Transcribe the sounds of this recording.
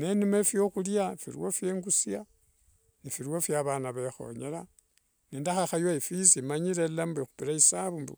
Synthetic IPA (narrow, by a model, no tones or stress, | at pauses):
nenumefjo̞xuljafḭɾwofjeːŋɡusja | nifiɾwofjaβanaβexo̞̰ɲḛla | nindaxaxajwaifisimaɲiɾelambexupiɾaisaβumbṵ